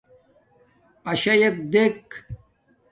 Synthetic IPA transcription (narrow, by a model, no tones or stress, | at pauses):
ɐɕɐjek̚d̪ek